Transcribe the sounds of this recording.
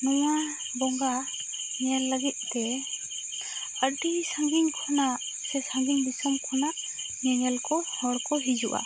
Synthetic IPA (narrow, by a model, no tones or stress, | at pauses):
nɔwa | bɔŋɡa | nɛɛlːəɡit̪̚ˀt̪ɛ | əɖisaŋɡiɲkʰɔnaʔ | sɛsaŋɡiɲbisɔmkʰɔnaʔ | ɲɛŋɛlkɔhɔɽkɔɦid͡ʒuʔa̰